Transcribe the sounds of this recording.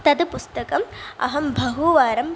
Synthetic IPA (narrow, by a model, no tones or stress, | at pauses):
t̪ɐd̪ɨpust̪ɐkɐmɐ̰ɦɐmbʱɐɦuʋaːɾɐm